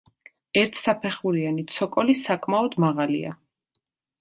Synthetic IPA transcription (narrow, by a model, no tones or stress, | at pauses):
ɛɾt̪ʰsapʰɛχuɾianit̪sʰɔkʼɔlisakʼmaɔd̪maʁalḭa̰